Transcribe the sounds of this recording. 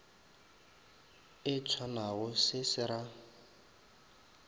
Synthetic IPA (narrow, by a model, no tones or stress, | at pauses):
ɪt͡sʰwanaɣɔsɪsɪɾa